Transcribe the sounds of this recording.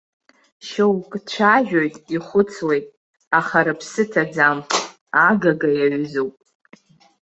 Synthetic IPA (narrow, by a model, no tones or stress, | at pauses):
ʃowkʼt͡ʃʷʰaʒᶣojtʼiχʷʊt͡sʰwe̞jtʼ | aχaɾapʰsɨtʰad͡zamʰ | aɡaɡajaɥzowpʼ